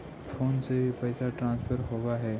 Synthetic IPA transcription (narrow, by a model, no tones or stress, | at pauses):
fʰoːnsebipɛːsaʈɾãːnspʰəɾɦoːɡaɦɛː